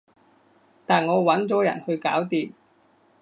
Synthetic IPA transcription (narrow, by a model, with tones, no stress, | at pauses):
t̪aː˨nŋɔː˨˧wɐ˨˥nt͡sɔː˨˥jɐ̰˨˩nhɵ˧ɥkaː˨˥wt̪iː˧m